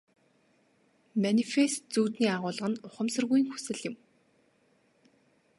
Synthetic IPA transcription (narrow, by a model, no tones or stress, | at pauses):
manifest̪̚t͡suːt̪niːaʁʊːɮʁə̆nʊχə̆msə̆rɣujiːŋxu̥sɘ̆ɮɪ̆m